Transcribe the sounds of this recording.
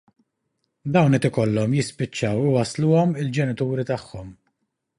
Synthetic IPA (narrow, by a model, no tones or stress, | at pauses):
d̪ɐwnɛt̪ɪkɔlːɔmjɪspɪt͡ʃːɐwʊwɐsluːɔmɪld͡ʒɛnɪt̪uːɾit̪ɐħːɔm